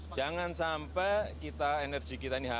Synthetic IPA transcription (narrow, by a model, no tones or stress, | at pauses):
d͡ʒ̥aŋansampɛkit̪aenərd͡ʒ̥i̤kit̪aniɦa